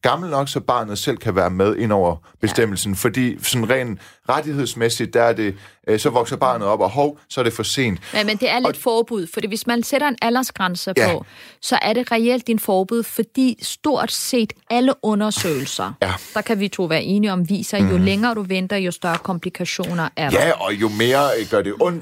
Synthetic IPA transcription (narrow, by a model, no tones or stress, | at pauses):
ɡ̥ɑ̈ml̩nɒ̽ɡ̥sɒ̽b̥ɑ̰̈ːnð̩ˠsel̰kʰæʋæːɐmeðˠe̝n̰ɒʊ̰ɐb̥e̝sd̥em̰l̩sn̩fɒ̽d̥ḭːsɒ̽nʁɛ̰ːnʁad̥ihe̝ð̞̰ˠsmesid̥̚ːææɐd̥e̝sɒ̽ʋɒ̽ɡ̥sɐb̥ɑ̈ːnð̩ˠɒ̽b̥ɒ̽ɦɒʊsɒ̽æɐd̥e̝fɒse̝̰ːnd̥æmend̥e̝æɐled̥fɒːb̥uð̞̰ˠfɒ̽d̥ḭːʋe̝smænseɾɐe̝nælɐsɡ̥ʁansəpʰɒ̽sɒ̽ʔæɐɾe̝ʁɛel̰d̥ːinfɒːb̥uð̞̰ˠfɒ̽d̥ḭːsd̥o̝ɐ̰d̥se̝̰ːd̥æləʔɔ̽nɐsø̰ːɪl̩sɐd̥ɑ̈kʰæʋit͡sʰo̝̰ːʋæːɐʔe̝ːniɒ̽mʋḭːsɐjo̝leŋɐːɾ̥uʋend̥ɐjo̝sd̥ɶɐkʰɒ̽mpʰlikʰæɕo̝̰ːnɐʔæɐd̥ɒ̽jo̝me̝ːɐɡ̥ɶɐd̥e̝ʔɔ̽n̰d̥